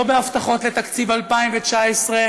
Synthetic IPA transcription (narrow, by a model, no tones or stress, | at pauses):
obeaft̪aχo̞t̪let̪akt͡sivalpaimvet͡ʃaesʁe